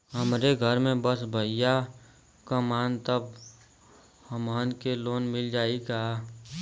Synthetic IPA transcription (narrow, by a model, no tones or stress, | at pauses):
ɦəmɾeɡʱəɾmẽbəsbʱəɪja | kamaːnt̪əb | həmaːnkeloːnmɪld͡ʒaːikaː